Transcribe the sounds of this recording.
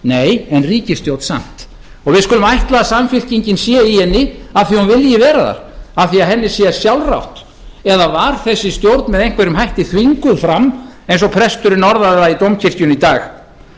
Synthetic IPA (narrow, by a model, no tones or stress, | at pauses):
neːjɛnriːcɪst̪jowt̪sa̰m̥t̪ | ɔɣvɪðskʏlʏmajht̪laðasamfɪl̥ciɲcɪnsjɛihɛnːɪaðθihunvɪljɪvɛːɾaða̰ɾ̥aθiaɦɛnːɪsjɛsjawlra̰wht̪ | ɛðavaɾ̥θɛsːɪst̪jowɾt̪nmɛðejŋ̥kvɛɾʏmɦajht̪ɪθviŋkʏðfɾamːejnsɔpʰɾɛst̪ʏɾɪnɔɾðaðɪɾait̪owmcʰɪr̥cʏnit̪aːx